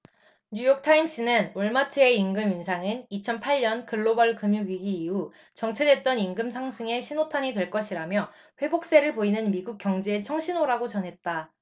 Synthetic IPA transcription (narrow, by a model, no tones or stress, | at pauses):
ɲujok̚tʰaimɕ͈inɯnoɭmat͡ɕʰeeinɡɯminsʰaŋɯnit͡ɕʰʌnpʰaʎɲʌnkɯɭːobʌɭkɯmjuɡɥiɡiːu | t͡ɕʌŋt͡ɕʰede̞t̚t͈ʌninɡɯmsʰaŋsʰɯŋe̞ɕʰinotʰaɲidwe̞ɭk͈ʌɕʰiɾamjʌ | ɸwe̞bok̚s͈e̞ɾɯɭpoinɯnmiɡuk̚k͈jʌŋd͡ʑe̞ːt͡ɕʰʌŋɕʰinoɾaɡot͡ɕʌnɦe̞t̚t͈a